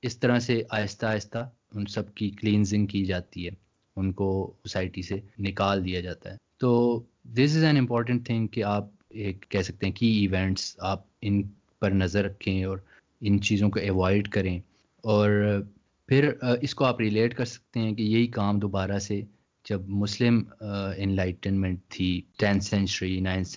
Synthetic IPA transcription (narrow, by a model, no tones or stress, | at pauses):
ɪst̪ɐɾaseʔaːɪst̪aːɪst̪a | ʊnsɐb̚kikliːnzɪ̃ŋɡ̚kid͡ʒaːt̪iɦɛː | ʊnkoosaːɪʈisenɪkaːld̪ijad͡ʒaːt̪a̰ɦɛːt̪oː | d̪ɪs̬ɪzɛ̃nɪ̃mpɔːɾʈ̬ə̃ɳʈ̚t̪ʰɪ̃ŋɡkeaːp̚eːkːɛɦsɐk̚t̪ẽɦɛ̃kiɪʋɛ̃ːɳʈsaːp̚ɪn | pɐɾnɐzəɾːɐkʰːẽɔːɾ | ɪnt͡ʃiːzõkoɛʋaːɪɖkɐɾẽ | ɔːɾ | pʰɪɾɪskoaːpɾɪleːʈkɐɾsɐ̥k̚t̪eɦɛ̃kejeɦikaːmd̪oːbaːɾase | d͡ʒɐbmʊslɪmɪ̃nlaːɪʈənmɛ̃ɳʈ̚t̪ʰːiʈɛ̃nsɛ̃nt͡ʃəɾinãɪns